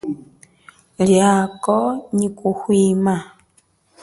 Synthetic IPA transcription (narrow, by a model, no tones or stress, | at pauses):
ljakɔɲikuhwiːma